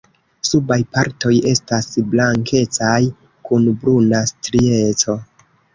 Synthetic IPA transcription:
subajpaɾto̞je̞stasblaŋkʰe̞t͡saj | kunbɾunastɾie̞t͡so̞

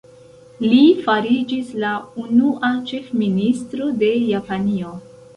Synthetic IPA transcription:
lifaɾid͡ʒislaunuʔat͡ʃe̞fministɾo̞de̞japanio

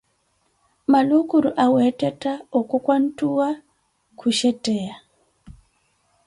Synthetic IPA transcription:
malukuɾuʔawɛtɛtaokɔkwan̩tuwa | kʰuʃɛtɛja

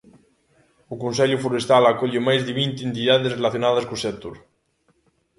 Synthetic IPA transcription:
ukonsɛʎufoɾest̪alakoʎemajzðeβint̪ent̪iðað̞esrelaθjonað̞askosɛt̪uɾ

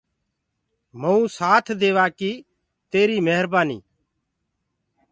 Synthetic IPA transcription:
məũːsaːt̪ʰd̪eːʋaːkiː | t̪eːɾiːməɦəɾbaːnḭː

